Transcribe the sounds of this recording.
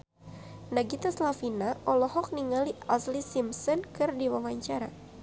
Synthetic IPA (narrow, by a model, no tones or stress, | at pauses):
naɡit̪aslafinaʔɔlɔɦɔk̚niŋaliaslisimsɔnkɨrdiwawaɲt͡ʃaɾa